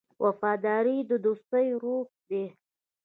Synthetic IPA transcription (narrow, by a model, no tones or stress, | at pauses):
wʔafɑd̪ɑɾid̪əd̪ost̪əjɾop̚d̪e